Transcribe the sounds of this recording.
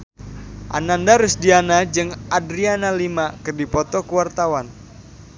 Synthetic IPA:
ʔa̰nandaɾʊsdianad͡ʒɨŋʔadɾianalimakɨrdipɔt̪ɔkuwart̪awan

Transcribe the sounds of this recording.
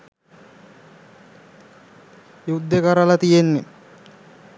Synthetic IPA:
jud̪ːekaɾalat̪ijenːe

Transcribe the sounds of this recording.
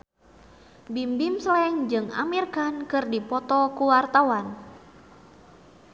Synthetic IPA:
bimbimslɛŋd͡ʒɨŋa̰mirkankɨrdipɔt̪ɔkuwart̪awan

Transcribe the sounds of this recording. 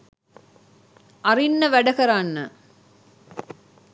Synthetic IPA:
ʔɐɾinːɐʋæɖɐkɐɾaːnːə

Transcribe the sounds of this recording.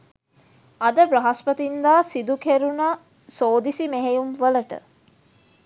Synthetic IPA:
ɐd̪əbɾɐɦaspət̪ind̪aːsid̪ukeɾuna | soːd̪isimeɦejumʋələʈə̰

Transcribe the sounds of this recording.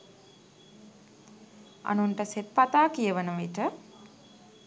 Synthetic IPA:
a̰nunʈəset̪̚pat̪aːkijəʋənəʋiʈə

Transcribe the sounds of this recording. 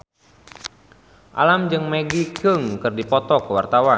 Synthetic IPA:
ʔa̰lamd͡ʒɨŋmeɡikəŋkɨrdipɔt̪ɔkəwart̪awa

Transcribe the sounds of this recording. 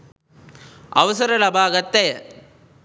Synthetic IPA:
ɐ̰ʋɐsɐɾɐlɐbʱaːɡɐt̪ːej

